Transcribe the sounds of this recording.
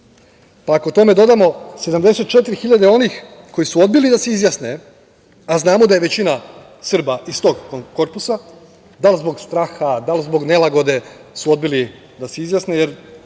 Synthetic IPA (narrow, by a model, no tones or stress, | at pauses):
paakot̪o̞me̞d̪o̞d̪amo̞se̞d̪amd̪e̞se̞t̪̚t͡ʃe̞t̪̬iɾixiʎad̪eo̞nixko̞jisuo̞d̪̚bilid̪ase̞izjasne | aznaːmo̞d̪aje̞ʋe̞t͡ɕina | sr̩baist̪o̞ːɡkoɾpusa | d̪alzbo̞ɡst̪ɾaːxad̪alzbo̞ɡnelaɡo̞d̪e̞suo̞d̪bili | d̪aseizjasne̞jeɾ